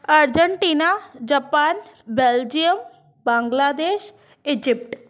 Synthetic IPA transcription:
əɾd͡ʒəɳʈiːnad͡ʒəpaːn | beld͡ʒijəm | bãːŋɡlaːd̪eːʃ | ɪd͡ʒɪp̚ʈ

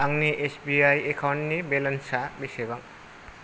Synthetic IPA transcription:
aŋniʔesʰbiajekʰawnʈnibelensabisebaŋ

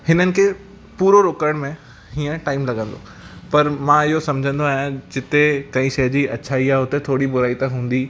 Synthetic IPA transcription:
hɪnənɪ̆kʰeː | puːɾoɾoːkəɽ̃mẽ | ɦiːə̃ʈaːɪmlɐɡə̃nd̪o̰ | pɐɾmãɪɦosɐmd͡ʑʱə̃nd̪oaːɦjãd͡ʑɪt̪ekɐĩʃɐd͡ʑiɐtːɕʰaiaɦʊt̪et̪ʰoːɽibʊɾaːit̪ãɦũːn̆d̪i

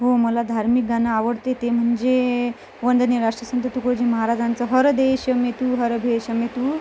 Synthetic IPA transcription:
ɦoməlad̪ʱaɾmik̚ɡanaːʋəɽt̪et̪em̤əɳd͡ze | ʋənd̪ʱənjəɾaʂʈɾəsənt̪ət̪ukəd͡ʑiməɦaɾad͡zant͡səɦəɾd̪eɕəmet̪uːɦəɾbʱeɕəmet̪uː

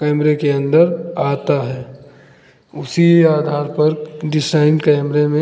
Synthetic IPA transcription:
kɛːmɾekeə̃nd̪əɾaːt̪aɦɛː | ʊsiaːd̪ʱaːɾpɐɾɖɪsaːɪnkɛːmɾemẽ

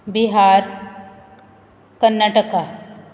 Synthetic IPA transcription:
bɪɦaːɾ | kənːaːʈəka

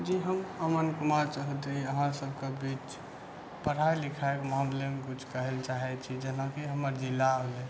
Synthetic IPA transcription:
d͡ʒiɦəməmənkumaɾt͡ʃaɦət̪iəɦãsəb̚ʱkebit͡ʃ | pəɾ̤ajlikʰaekmãnlemkut͡ʃʰkəɦelt͡ʃaɦɛt͡ʃʰid͡ʒenakiɦəməɾd͡ʒilːaəlɛ

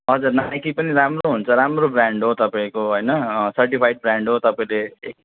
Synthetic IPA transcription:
ɦʌd͡zurnajkipʌniɾamroɦunt͡sʰʌɾamrobraɳɖɦot̪ʌpaĩkoɦʌjnʌsʌrʈipʰajɖ̚braɳɖɦot̪ʌpaĩleː

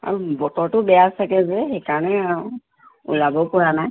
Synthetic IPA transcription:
a̰ɹubɔtɔɹtʊbɛjasakɛzɛxɛjkaɹɔnɛaɹu | ṵlabɔpɔɹanaj

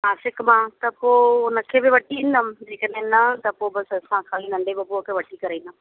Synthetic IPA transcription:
aːsɪkmãːt̪ɐpoːʊnəkʰeːbɪʋɐʈiind̪əmd͡ʑeːkəɗɦẽnɐt̪ɐpobɐsɐsãkʰaːlinɐ̃ɳɖebɪpokʰeʋɐʈikɐɾĩːnd̪əm

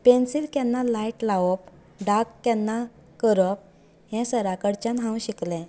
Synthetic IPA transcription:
pensilkanːalaiʈlaʋɔp | ɖakːjɛnːa | kəɾɔp̚ | ɦɛ̃səɾakəɽt͡ɕãnɦãwɕiklɛ̃

